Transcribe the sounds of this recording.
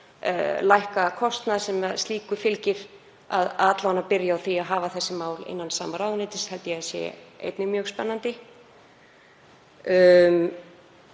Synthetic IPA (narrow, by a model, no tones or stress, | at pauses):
lajhkakʰɔst̪naðsɛmɛðst̪liːkʏfɪlcɪɾ̥ | a̰ðat̪lavanːapɪɾjaawθiaðɦaːvaθɛsːɪmaːwlḛnːansaːmaɾaːwðnɪːt̪ɪshɛlt̪ɪjɛasjɛ̰ḛjt̪nɪmjœːɣspɛnːant̪ɪ | m